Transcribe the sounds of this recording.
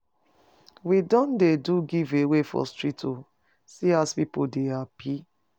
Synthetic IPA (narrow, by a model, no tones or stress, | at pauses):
widɔ̃ndeduɡivewefɔ̰stɹitʰo | siaspipodehapi